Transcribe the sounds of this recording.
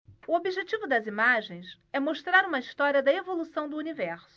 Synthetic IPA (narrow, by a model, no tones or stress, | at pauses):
uobiʒet͡ʃivʊd̪ɐzimaʒẽj̃s | ɛmoʃt̪ɾaɾũmɐiʃt̪ɔɾiɐd̪ɐevolusɐ̃w̃d̪ʊunivɛɾsʊ